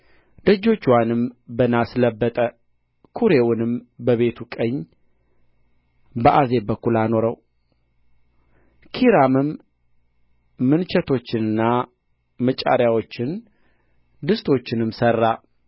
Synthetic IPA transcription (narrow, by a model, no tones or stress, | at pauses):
d̪̥əd͡ʒːo̞t͡ʃːwanɨmbənasləbːət̪ʼə | kʰuɾe̞wʊnɨmbəβe̞t̪ʰukʼəɲː | bəʔaze̞bəkːulano̞ɾəw | kʰiɾamɨm | ɨnt͡ʃʰɛt̪ʰo̞t͡ʃːɪnɨnːa | mət͡ʃʼa̰ɾjawo̞t͡ʃːɪn | d̪ɨst̪ʰo̞t͡ʃːɪnɨmsərːa